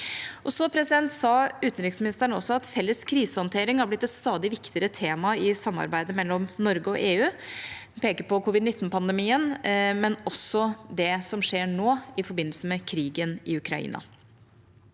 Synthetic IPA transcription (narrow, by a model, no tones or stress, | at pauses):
ʔɔsɔpʰɾɛsɪd̪ɛnt̪sɑːʉːt̪n̩ɾɪksmɪnɪst̪əɳəɔsɔɑt̪fɛlːəskʰɾiːsəhɔnt̪ʰeːɾɪŋhɑɾblɪt̪ːɛt̪st̪ɑːd̪ɪʋɪkt̪ɪəɾət̪ʰeːmɑɪsɑmːɑ̰ɾbæɪd̪əmɛlːɔmnɔɾɡəɔ̰ʔeːʉːpʰeːkəɾpɔkʰʊʋɪd̪nɪt̪ːnpʰɑnd̪əmiːənmɛnɔsɔd̪ɛsɔmʂeːɳoːɪfɔɾbɪnːəlsəmɛkʰɾiːɡənɪʉkʰɾɑḭːnɑ̰